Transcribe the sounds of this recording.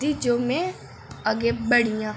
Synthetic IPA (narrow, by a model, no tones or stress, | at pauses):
d̪id͡ʒoːmɛ̃ | əɡeːbəɽijãː